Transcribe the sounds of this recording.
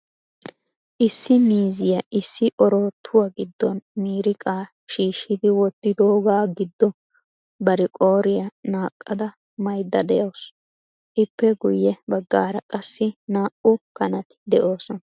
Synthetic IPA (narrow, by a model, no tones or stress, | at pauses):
ʔɪsːɪmiːzɪjɐʔɪsːɪʔɔɾoːt̪ʰːʊwaɡɪd̪ːɔnmiːɾɪkʼaː | ʃiːʃɪd̪ɪwɔt̪ːɪd̪oːɡaːɡɪd̪ːɔ | bɐɾɪkʼo̞ːɾɪjɐnaːkʼːɐd̪ɐ | mɐjd̪ːɐd̪ɛjɐws | ʔɪpːɛɡʊjːɛbɐɡːa̰ːɾɐkʼɐsːɪnaːʔʊkɐnɐt̪ɪ̥d̪ɛʔo̞ːsɔnɐ